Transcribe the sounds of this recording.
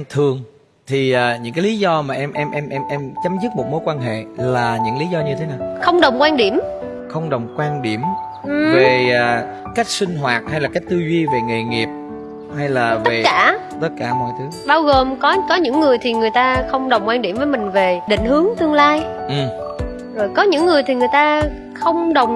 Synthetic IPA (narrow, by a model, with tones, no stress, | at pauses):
t̪ʰɨ˨˩əŋ | t̪ʰi˨˩ʔaː˨˩ɲɨ̰˧˥ŋkaː˨˦li˨˦zɔ˧maː˨˩ʔɛ˧mʔɛ˧mʔɛ˧mʔɛ˧mʔɛ˧mt͡ɕə˨˦mzɨ˦˥t̚mo˨˩t̚mo˨˦jkwaː˧nɦḛ˧˨laː˨˩ɲɨ̰˧˥ŋli˨˦zɔ˧ɲɨ˧t̪ʰe˨˦naː˨˩wxə˧wŋ͡mɗə˨˩wŋ͡mkwaː˧nɗi˧˩əm | xə˧wŋ͡mɗə˨˩wŋ͡mkwaː˧nɗi˧˩əm | ʔɨ˨˩veː˨˩˨ | ka˦˥jk̟̚sï˧ŋ̟ɦwaː˨˩t̚ha˧jlaː˨˩ka˦˥jk̟̚t̪ɨ˧zi˧ve˨˩ŋɨ˨˩jŋi˨˩əp̚ | ha˧jlaː˨˩vəe˨˩˥kaː˧˩ | t̪ə˦˥t̚kaː˧˩mɔ̰˧˨jt̪ʰɨ˨˦ɓaː˧wɣo˨˩mkɔ˨˦kɔ˨˦ɲɨ̰˧˥ŋːɨ˨˩əjt̪ʰi˨˩ŋɨ˨˩əjt̪aː˧xə˧wŋ͡mɗə˨˩wŋ͡mkwaː˧nɗi˧˩mvəː˨˦jmï˨˩ŋ̟ve˨˩ɗḭ˧˨ŋ̟hɨ˨˦əŋt̪ɨ˧əŋlaː˧jʔɨ˨˩m | zo˨˩jkɔ˨˦ɲɨ̰˧˥ŋːɨ˨˩əjt̪ʰi˨˩ŋɨ˨˩əjt̪aː˧ | xə˧wŋ͡mɗə˨˩wŋ͡m